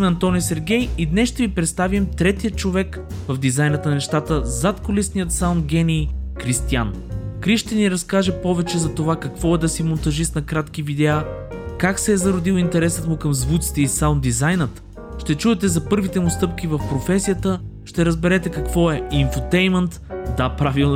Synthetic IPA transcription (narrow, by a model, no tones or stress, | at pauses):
mɛɐnt̪ɔnijsɛɾɡʲɛjid̪nɛsʃt̪ɛvipɾɛt̪st̪avimt̪ɾɛt̪ijət̪t͡ʃovɛk | vəvd̪izajnət̪nnɛʃt̪at̪əzat̪kolisnijət̪sawnd̪̚ɡʲɛnikɾist̪iankɾiʃt̪ɛniɾɐskaʒɛpɔvɛt͡ʃɛzɐt̪ovakɐkvɔɛd̪ɐsimont̪ɐʒisnɐkɾat̪kivid̪ɛa | kaksɛːzɐɾod̪ilˠint̪ɛɾɛsət̪mukəmzvut̪si̥t̪ɛisawnd̪izajnət̪ | ʃt̪ɛt͡ʃuɛt̪ɛzɐpɤɾvit̪ɛmʊst̪ɤp̚kʲivəfpɾofɛsijət̪əʃt̪ɛɾəzbɛɾɛt̪ɛkɐkvɔɛinfut̪ɛjmɛnt̪d̪apɾavilˠ